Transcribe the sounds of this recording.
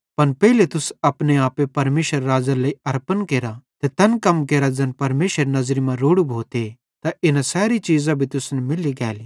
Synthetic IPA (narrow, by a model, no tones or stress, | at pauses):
pɐnpɛɦilet̪ʊsɐpneaːpepɐɾmeːʃəɾːaːzalɐiɐɾpənkeːɾat̪et̪ɐnkɐmkeːɾad͡ʒɐnpɐɾmeːʃəɾnɐzɾimãɾoːɽubʱoːt̪e | t̪aʔɪnãsɛːɾit͡ʃiːzãbʱit̪ʊsnɛmɪliɡɛːliː